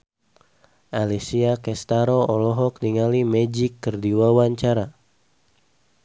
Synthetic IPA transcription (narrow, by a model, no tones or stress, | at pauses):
ʔalisiakɛst̪aɾoɔlɔɦɔk̚diŋalimɛd͡ʒikːərdiwawaɲt͡ʃaɾa